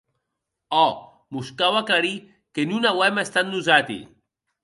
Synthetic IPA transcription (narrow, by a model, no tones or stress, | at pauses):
ɔ | muskawakaɾi | kenunawɛmaest̪at̪̚nuzat̪ḭ